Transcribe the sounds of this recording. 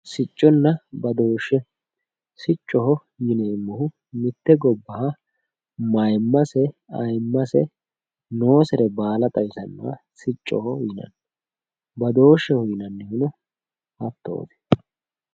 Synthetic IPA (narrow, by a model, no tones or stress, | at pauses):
sɪt͡ʃʼːɔnːɐbɐd̪o̞ːʃːɛ | sɪt͡ʃʼːɔɦɔ | jɪneːmːɔhʊ | mɪt̪ːɛɡɔbːɐhɐ | mɐjmːɐsɛɐ̰jmːɐsɛ̰ | no̞ːsɛɾɛbaːlɐt̪ʼɐjsɐnːɐ̰wɐ̰ | sɪt͡ʃʼːɔhɔjɪnɐ̰nː | bɐd̪o̞ːʃːɛhʊjɪnɐnːɪhʊnʊ | hɐt̪ːo̰ːd̪ɛ̥